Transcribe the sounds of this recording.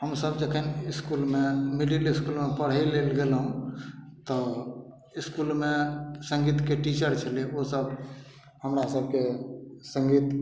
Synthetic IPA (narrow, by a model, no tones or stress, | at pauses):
ɦəmsəbd͡ʒəkʰəniskulmemililiskulmepəɽ̤elelɡelɦũ | t̪ə | iskulmesəŋɡit̪keʈit͡ʃəɾt͡ʃʰəliosəb | həmɾasəb̚kesə̃ŋɡit̪